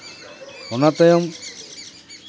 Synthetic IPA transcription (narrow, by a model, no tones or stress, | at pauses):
ɔnat̪ɔjɔm